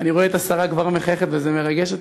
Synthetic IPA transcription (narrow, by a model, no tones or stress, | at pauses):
aniʁoeet̪asaʁakvaʁme̞χajeχet̪vezeme̞ʁaɡeʃot̪